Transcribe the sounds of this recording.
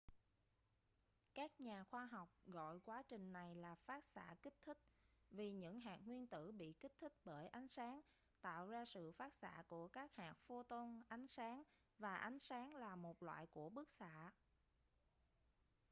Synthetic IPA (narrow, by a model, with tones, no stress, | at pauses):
kaː˦˥k̚ɲaː˨˩xwaː˧ɦɔ˨˩wk͡p̚ɣɔ̰˧˨jkwaː˨˦t͡ɕï˨˩ŋ̟na˨˩jlaː˨˩faː˦˥t̚sa̰ː˧˥kï˦˥k̟̚t̪ʰï˦˥k̟̚vi˨˩ɲɨ̰˧˥ŋɦaː˨˩k̚ŋwi˧ənt̪ɨ̰˧˩ɓḭ˧˨ki˦˥k̟̚t̪ʰi˦˥k̟̚ɓəː˧˩jʔa˨˦jŋ̟saː˨˦ŋ | t̪a̰ː˧˨wzaː˧sɨ̰˧˨faː˦˥t̚sa̰ː˧˥ku˧˩əkaː˦˥k̚haː˨˩k̚fo˧t̪o˧nʔa˨˦jŋ̟saː˨˦ŋ | vaː˨˩ʔa˨˦jŋ̟saː˨˦ŋlaː˨˩mo˨˩t̚lwa̰ː˧˨jku˧˩əɓɨ˦˥ək̚sa̰ː˧˨